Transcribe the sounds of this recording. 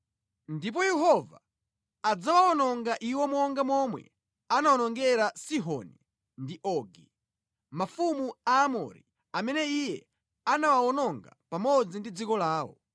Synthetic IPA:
ndip̬ɔjɛɦɔva | ad͡zawaɔnɔŋɡaʔiwɔmwɔŋɡamwɔmwɛ̰ | anawɔnɔŋɡɛɾasiɦɔ̰ni | ndiʔɔɡi | mafumuaːmɔ̰ɾḭ | amɛnɛijɛ | anawawɔnɔŋɡapamɔd͡zindid͡zikɔlaːwɔ̰

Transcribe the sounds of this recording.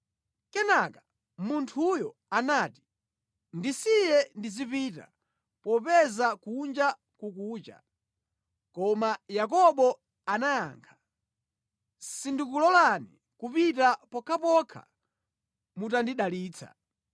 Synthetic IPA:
kɛnaka | muntʰujɔanaːti̥ | ndisijɛndizipita̰ | pɔpɛzakund͡ʒa | kukuːt͡ʃa̰ | kɔmajak̬ɔɓɔ | anaja̰ːŋkʰḁ | sindik̬ulɔlani | kupitapɔkʰapɔkʰa̰ | mutandiɗaliːt͡sʰa̰

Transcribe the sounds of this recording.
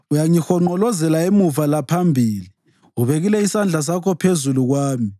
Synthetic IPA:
ujaŋixɔŋ͡ǃɔlɔzɛlaemuvalapʰambʱiːli | uβeɣilɛisand͡ɮʱas̬akʰɔpʰezuluɣwaːmi

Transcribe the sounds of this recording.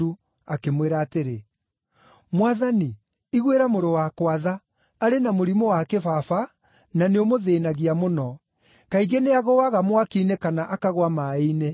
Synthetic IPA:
u | akemweɾaːteɾe | mwaðani | iɣweɾamoɾowakwaðaː | ɾenamoɾimowakefafa | naneomoðeːnaɣiamonɔ | kaiɣeneaɣɔwaɣamwakiːnekanaʔakaɣwamaene

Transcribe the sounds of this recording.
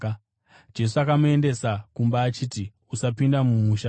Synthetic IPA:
d͡ʒe̞s̬uakamue̞nde̞sakumbaːt͡ʃiːti | usapindamumuʃa

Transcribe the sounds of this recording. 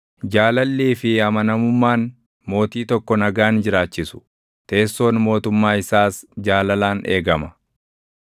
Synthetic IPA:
d͡ʒaːlɐlːiːfɪɐmɐnɐmʊmːaːn | mo̞ːt̪iːt̪ɔkːɔnɐɡaːnd͡ʒɪɾaːt͡ʃːɪsʊ̥ | t̪e̞ːsːo̞ːnmo̞ːt̪ʊmːaːɪsaːsd͡ʒaːlɐlaːne̞ːɡɐmɐ

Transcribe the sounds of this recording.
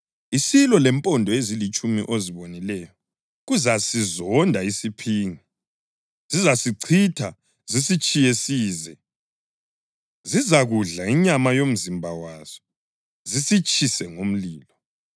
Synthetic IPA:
isilɔlɛmpʼɔndʱɔezilit͡ʃʼumḭʔoziβonilɛjɔ | ɣuzasizɔndʱaisipʰiːŋi | zizasiǀʰitʰa | zisit͡ʃʼijesiːzɛ | zizaɣuɮaiɲamajom̩zimbʱawaz̥ɔ | zisit͡ʃʼʰisɛŋom̩liːlɔ

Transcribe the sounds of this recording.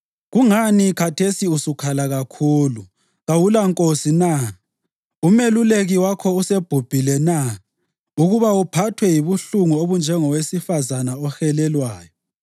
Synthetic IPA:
ɣuŋanikʰatʰesiusukʰalaɣakʰuːlu | ɣawulaŋkʼosina | umeluleɣiwakʰɔuseb̥ʱub̥ʱilɛna | uɣuβaupʰatʰwɛjiβuɬuŋuoβund͡ʒʱɛŋɔwesifazanaɔxɛlɛlwaːjɔ

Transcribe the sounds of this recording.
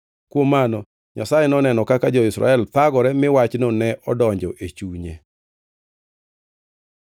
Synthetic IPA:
kwomanɔ | ɲasajɛnɔnɛnɔkakad͡ʒɔɪsɾa̰ɛlt̪aɡɔɾɛmɪwat͡ʃnonɛʔɔdɔɲd͡ʒɔʔet͡ʃuɲḛ

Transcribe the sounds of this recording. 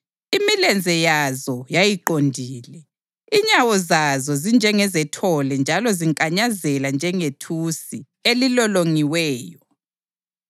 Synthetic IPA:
imilɛnd͡zʱɛjazɔjajiǃondʱiːlɛ | iɲawɔzazɔzind͡ʒʱɛŋɛzɛtʰɔlɛnd͡ʒʱalɔziŋkʼaɲazɛland͡ʒʱɛŋetʰusi | elilɔloŋiwɛːjɔ

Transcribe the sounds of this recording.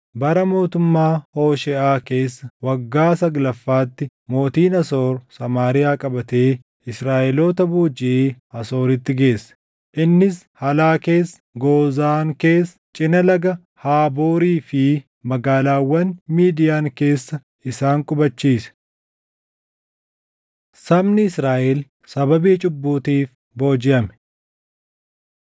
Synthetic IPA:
bɐɾɐmo̞ːt̪ʊmːaːhoːʃɛʔaːke̞ːsːɐwɐɡːaːsɐɡlɐfːaːt̪ːɪ | mo̞ːt̪iːnɐso̞ːɾsɐmaːɾɪjaːkʼɐbɐt̪e̞ː | ɪsɾaːʔɛlo̞ːt̪ɐbuːd͡ʒɪʔɐso̞ːɾɪt̪ːɪɡe̞ːsːɐ̥ | ʔɪnːɪs | hɐlaːke̞ːsːɐ̥ɡoːzaːŋke̞ːs | t͡ʃʼɪnɐlɐɡɐ | haːbo̞ːɾiːfɪ | mɐɡaːlaːwːɐnmiːd̪ɪjaːŋke̞ːsːɐ | ɪsaːŋkʼʊbɐt͡ʃːiːsɛ̥ | sɐmnɪɪsɾaːʔɛl | sɐbɐbiːt͡ʃʼʊbːuːt̪iːf | bo̞ːd͡ʒɪʔɐmɛ̥

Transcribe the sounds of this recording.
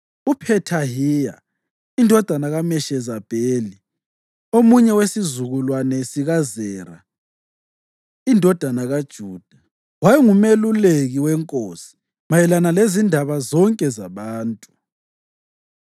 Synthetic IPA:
upʰɛtʰaɦija̰ | indʱɔd̥ʱanaɣamɛʃɛzab̥ʱeːli | omuɲɛwesizuɣulwanɛsiɣazɛːɾa̰ | indʱɔd̥ʱanaɣad̥ʒ̥ʱuːd̥ʱa | wajɛŋumeluleɣiwɛŋkʼoːsi̥ | majɛlanalezindʱaβazɔŋkʼɛzaβaːntʼu

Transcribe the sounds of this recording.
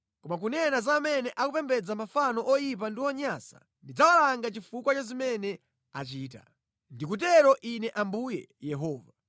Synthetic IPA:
kɔmak̬unɛnazamɛnɛʔakupɛmbɛd͡zamafanɔʔɔjip̬andiɔɲasa̰ | ndid͡zawalaŋɡat͡ʃifukwat͡ʃazimɛnɛ | at͡ʃiːta̰ | ndikut̬ɛɾɔʔinɛʔambujɛ̰ | jɛɦɔːva

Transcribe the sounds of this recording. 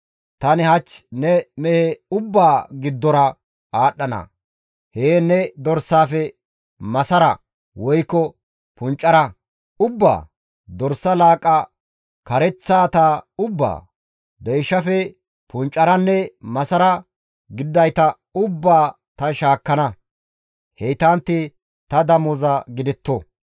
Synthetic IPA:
t̪ɐnɪhɐt͡ʃːnɛmɛhɛʊbːaːɡɪd̪ːɔɾɐ | aːɗːɐnɐ̰ | heːnɛd̪ɔɾsːaːfɛ | mɐsɐɾɐ | wɔjkːɔ | pʊnt͡ʃʼːɐɾɐ | ʊbːa̰ː | d̪ɔɾsːɐlaːkʼɐ | kɐɾɛt͡sːaːt̪aːʊbːa̰ː | d̪ɛjʃːɐfɛ | pʊnt͡ʃʼːɐɾɐnːɛmɐsɐɾɐ | ɡɪd̪ːɐjt̪ɐ | ʊbːaː | t̪ɐʃaːkːɐnɐ | hɛjt̪ant̪ːɪ | t̪ɐd̪ɐmɔzɐɡɪd̪ɪt̪ːɔ

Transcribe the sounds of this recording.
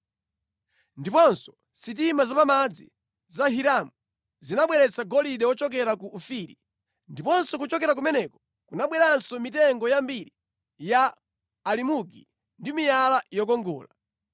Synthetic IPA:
ndipɔnsɔ̥ | sit̬imazapamad͡zḭ | zaɦiɾamu | zinaɓwɛɾɛt͡saɡɔliɗɛwɔt͡ʃɔk̬ɛɾakuʔːfiɾi | ndipɔnsɔk̬ut͡ʃɔkɛɾak̬umɛnɛkɔ̥ | kunaɓwɛɾansɔmitɛŋɡɔjambiɾi | jaː | limuɡi | ndimijalajɔk̬ɔŋɡɔ̰ːla

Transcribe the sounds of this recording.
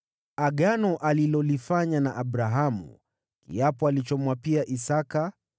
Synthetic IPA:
aɠanɔʔalilɔlifaɲanaʔaɓɾaɦamṵ | kḭapɔalit͡ʃɔmwapiaʔisaka

